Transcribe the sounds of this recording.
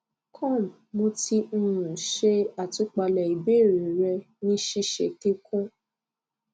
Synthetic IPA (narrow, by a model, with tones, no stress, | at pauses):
kʰɔ̃˦˨m | mo˧ti˧n̩˧ɾũ˨ʃe˧a˨tu˧˦k͡pa˧lɛ˨i˨be˦˨ɾi˨ɾɛ˧ | nĩ˦ʃi˧˦ʃḛ˧˨ti˦kũ˦